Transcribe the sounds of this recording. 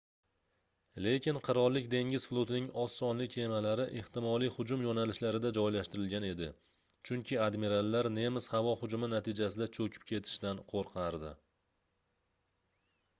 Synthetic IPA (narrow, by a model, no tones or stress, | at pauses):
le̞kʲɪnqʰɨɾɒɾlːɪkʲd̪e̞ŋʲɪzflˠot̪ɪnɪŋɒsːɒnlɪkʲʰe̞malaɾɪʔeht̪ɪmɒlˠijhʊd͡ʒʊmjɒnalɪʃlaɾɪd̪ad͡ʒɒjlaʃt̪ɪɾɪlɡʲane̞d̪ɪ | t͡ʃʰʊŋkʲɪad̪miɾalːaɾne̞mɪshavɒhʊd͡ʒʊmɪnat̪ʰɪd͡ʒasɪd̪at͡ʃʰɵkʲʰɪ̥p̚kʲʰe̞t̪ʰɪ̥ʃd̪anqʰoɾqʰɑɾd̪ɪ̰